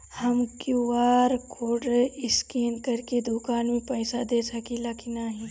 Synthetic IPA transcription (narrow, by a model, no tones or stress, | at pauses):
hɐmkjuʋaːɾkʰoːɖɪskiːnkɐɾked̪ʊkaːnmẽpɛɪsad̪eːsɐkilakinaɦĩː